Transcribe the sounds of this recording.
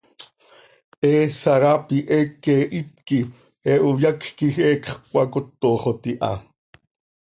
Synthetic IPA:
ʔeːsaɾapiʔekeːʔit̪ki | eʔujakkixeːkχkʷakot̪ːoːχot̪iʔa̰

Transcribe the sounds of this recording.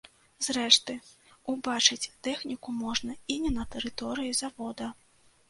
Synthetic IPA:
zɾɛʂt̪ɨubat͡ʂɨt͡sʲt̪ɛxnʲikumɔʐnɐinʲɛnɐt̪ɛɾɨt̪ɔɾɨjizavɔd̪ɐ

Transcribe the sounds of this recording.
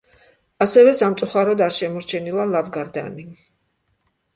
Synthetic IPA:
asɛvɛsamt̪sʼuχaɾɔd̪aɾʃɛmɔɾt͡ʃʰɛnilˠalˠavɡaɾd̪a̰ni

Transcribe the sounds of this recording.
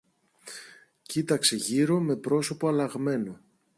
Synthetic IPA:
cit̪ɐkse̞ʝiɾo̞me̞pɾo̞so̞poɐlɐɣme̞no

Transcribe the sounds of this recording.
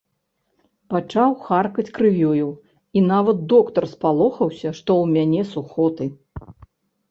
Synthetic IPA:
pat͡ʂawxarkɐt͡sʲkɾɨvʲuju | inavɐt̪̚d̪ɔkt̪ɐrspalˠɔxɐwsʲɐʂt̪ɔwmʲanʲɛsuxɔt̪ɨ

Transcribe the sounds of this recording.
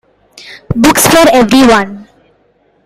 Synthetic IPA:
bʊksfɔːɾeʋɾiʋʌ̃n

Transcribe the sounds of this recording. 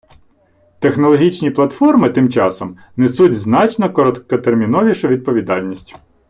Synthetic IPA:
t̪exnɔlˠɔɦʲit͡ʃnʲiplˠɐt̪fɔrmɪt̪ɪmt͡ʃɑsɔm | nesutʲznɑt͡ʃnɔkɔɾɔt̪kɔt̪ermʲinɔʋʲiʃɐʋʲid̪̚pɔʋʲid̪ɑlʲnʲisʲtʲ

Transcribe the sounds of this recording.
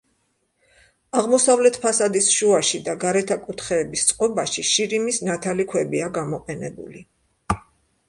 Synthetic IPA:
aʁmɔsavlɛt̪ʰpʰasad̪isʃuaʃid̪aɡaɾɛt̪ʰakʼut̪ʰχɛːbist̪sʼqʼɔbaʃiʃiɾimisnat̪ʰalikʰwɛbiaɡamɔqʼɛnɛbṵli

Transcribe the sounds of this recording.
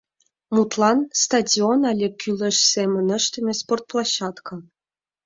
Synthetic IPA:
mut̪lˠɑnst̪ɑdʲionɑlʲekʲylʲɘ̆ʃsemə̆nə̆ʃt̪ɘ̆mʲesport̪̚plˠɑɕːɑt̪kʰɑ

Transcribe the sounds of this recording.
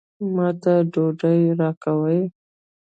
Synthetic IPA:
mɑt̪aɖoɖəjɾɑkawəj

